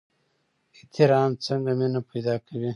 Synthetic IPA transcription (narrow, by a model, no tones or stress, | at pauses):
et̪iɾɑːmt͡səŋɡaminapajd̪ɑːkawi